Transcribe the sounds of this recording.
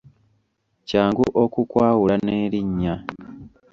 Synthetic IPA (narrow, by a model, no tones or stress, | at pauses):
caːŋɡuʔokukwaːwulaneːɾiɲːa